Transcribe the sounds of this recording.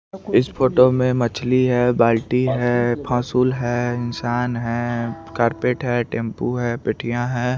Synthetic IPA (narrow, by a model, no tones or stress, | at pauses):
ɪspʰoːʈomẽmɐt͡ʃʰliɦɛːbaːlʈiɦɛpʰãːsuːlɦɛɪnsaːnɦɛːkaːɾpeːʈɦɛʈẽːmpuɦɛpɪʈʰijãɦɛː